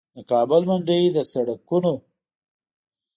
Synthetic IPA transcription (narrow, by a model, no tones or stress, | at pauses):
d̪əkɑːbəlmaɳd͡ʒəjd̪əsaɽakuno